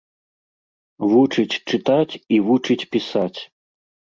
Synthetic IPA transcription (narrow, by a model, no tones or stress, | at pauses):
vut͡ʂɨt͡sʲt͡ʂɨt̪at͡sʲivut͡ʂɨt͡sʲpʲisat͡sʲ